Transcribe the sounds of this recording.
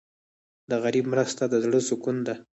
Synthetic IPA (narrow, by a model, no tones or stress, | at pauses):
d̪əɣaɾibmɾəst̪ad̪əzɽəsʊkund̪a